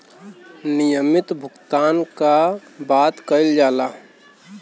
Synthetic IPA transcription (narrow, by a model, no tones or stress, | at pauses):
nijəmɪt̪bʱʊɡt̪aːnkabaːt̪kəɪld͡ʒaːla